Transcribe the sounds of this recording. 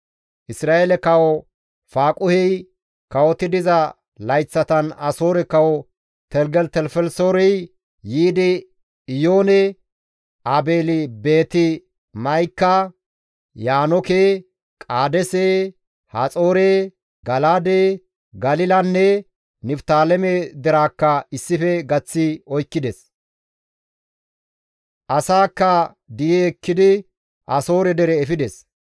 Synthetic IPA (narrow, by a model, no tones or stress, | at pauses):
ʔɪsɾaːʔeːlɛkɐwɔ | faːkʼʊhɛj | kɐwɔt̪ɪd̪ɪzɐ | lɐjt͡sːɐt̪ɐnɐso̞ːɾɛkɐwɔ | t̪ɛlɡɛlt̪ɛlfɛlsoːɾɛj | jiːd̪ɪ | ɪjoːnɛ | ɐbe̞ːlɪbeːt̪ɪ | mɐjkːɐ | jaːnɔkeː | kʼaːd̪ɛseː | hɐt͡sʼo̞ːɾe | ɡɐlaːd̪eː | ɡɐlɪlɐnːɛ | nɪft̪aːlɛmɛd̪ɛɾaːkːɐɪsːɪfɛɡɐt͡sːɪɔjkːɪd̪ɛs | ʔɐsaːkːɐ | d̪ɪjɛɛkːɪd̪ɪ | ʔɐso̞ːɾɛd̪ɛɾɛːfɪd̪ɛs